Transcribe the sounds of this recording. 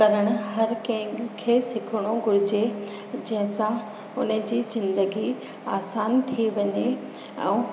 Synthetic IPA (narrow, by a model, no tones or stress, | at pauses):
ɐɾəɽ̃ʊɦɐɾkɐ̃ɦɪ̃kʰesɪkʰʊɽ̃oɡʱʊɾɪd͡ʑe | d͡ʑɐ̃ɦɪ̃sã | ʊnə̆d͡ʑiːzɪ̃nd̪əɡi | aːsaːnt̪ʰiʋɐɲe | ɛ̰̃ː